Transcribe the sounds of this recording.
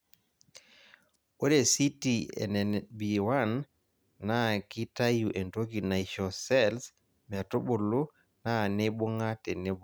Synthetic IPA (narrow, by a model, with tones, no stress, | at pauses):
o˦ɾe˨si˦ti˨ɛ̰˨nɛ˨nbi˨wa˦nː | aki˦ta˦ju˨ʔe˨nto˦kina˨jʃɔ˨sɛls | mɛ˨to˦ɓo˨lu˦ | na˦ne˦bu˦ŋa˦tɛ˨ne˦b